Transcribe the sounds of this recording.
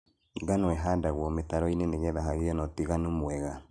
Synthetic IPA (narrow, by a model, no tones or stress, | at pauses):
ɡanɔɛɦadaɣwɔmetaɾɔineneɣɛðaɦaɣeɔnɔtiɣanomwɛɣa